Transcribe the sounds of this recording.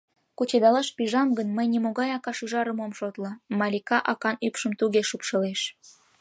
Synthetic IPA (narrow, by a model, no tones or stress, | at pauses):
kut͡ɕed̪ɑlɑʃpiʒɑmɡənməjnʲimoɣɑjɑkɑʃuʒɑɾəmomʃot̪lə̆mɑlʲikɑʔɑkɑnypʃəmt̪uɣeʃupʃəleʃ